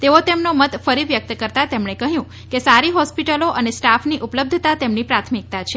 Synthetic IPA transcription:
t̪eot̪emnomət̪fəɾiʋjək̚t̪kəɾt̪at̪emɳekəɦjũ | kesaɾiɦɔspiʈəloʔənesʈafniʔupləb̚d̪ʱət̪at̪emnipɾat̪ʰmik̚t̪at͡ʃʰe

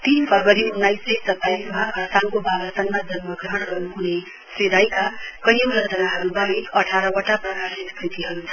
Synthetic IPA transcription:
t̪inpʌɡʌɾiunːajsesʌt̪ːajsmaʌsawkobabʌsʌnmad͡zʌnmʌɡrʌɽ̃ɡʌɾuɦune | sid̪ajkakʌjowɾʌd͡zʌnaɦʌɾubʌneʌʈʰaɾʌwʌʈːaprʌkasiskrit̪iɦʌɾut͡sʰʌ

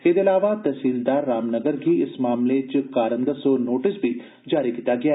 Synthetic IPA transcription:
ked̪ɪlaːʋat̪ɐsiːld̪aːɾːaːmnəɡəɾɦiɪsmaːmlet͡ʃʊkaːɾə̃nd̪əsoːnoːʈɪsbʱi | d͡ʒaːɾikiːt̪aɡɐjaː

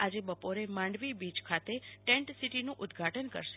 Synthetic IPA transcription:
ad͡ʒebəpoɾemãɳɖʋibid͡ʒkʰat̪eʈẽɳʈsiʈinũʔʊd̪ɡʱaʈənkə̰ɾʃe

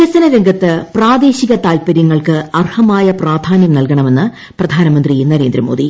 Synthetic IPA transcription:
ɐsɐnɐɾeŋɡʱɐt̪ːɨpraːd̪e̞ːɕiɣɐt̪aːlpɐɾjɐŋːɐɭkɨɐrhɐmaːjɐpraːd̪ʱaːnjɐmnɐlkɐɳɐme̞nːɨ | prɐd̪ʱaːnɐmɐnd̪rinɐɾe̞ːnd̪ɾɐmo̞ːd̪i

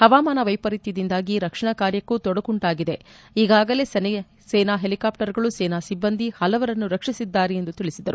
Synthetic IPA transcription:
hɐʋaːmaːnɐʋɐjpɐɾit̪jɐd̪ind̪aːɡiɾɐkʂɐɳɐkaːɾjɐkːut̪ɔɽɐkuɳʈaːɡid̪e̞ | iːɡaːɡɐle̞ːsn | seːnaːɦe̞likaːpʈɐɾɡɐɭuseːnaːsibːɐnd̪ʱihɐlɐʋɐɾɐnːuɾɐkʂisid̪ːaːɾeend̪ut̪iɭisid̪ɐɾu

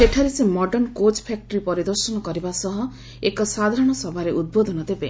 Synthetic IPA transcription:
eʈʰaɾisemɔɖɔnkot͡ʃpʰak̚ʈɔɾipɔɾid̪ɔɾsɔnɔkɔɾibasɔɦɔ | ekɔsad̪ʱaɾɔɽ̃ɔsɔbʱaɾeʔud̪̚bod̪ɔnɔd̪ebe

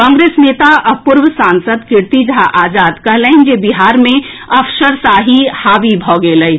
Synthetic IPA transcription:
kɔ̃ːŋɡɾeːsneːt̪aʔɐpʊɾwsãːnsəd̪kɪɾt̪id͡ʒɦaʔaːzaːd̪kɐɦlẽnd͡ʒebɪɦaːɾmẽ | ɐfʃəɾsaːɦihaːʋibʱɔːɡeləi

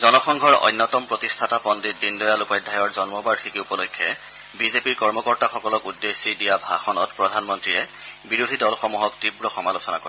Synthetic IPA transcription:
zɔnɔxɔŋɡʱɔɹɔ̰jnːɔtɔmpɹotistʰatapɔndit̚dindɔjalupɔjdʱːajɔɹzɔnmɔbaɹxikiupɔlɔkʰːjɛ̰ | bizepiɹkɔɹmɔkɔɹtaxɔkɔlɔkudːesidijabʱaxɔnɔtpɹɔdʱanmɔntɹiɹɛbiɹudʱidɔlxɔmuɦɔktibɹɔxɔmalosɔna̰koɔɹ

